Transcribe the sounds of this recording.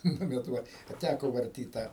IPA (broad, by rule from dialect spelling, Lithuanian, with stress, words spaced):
ˈnʊ bʲɛt ˈʋɐ ɐ ˈtʲækoː ʋɐrʲˈtʲiːt ˈtɑː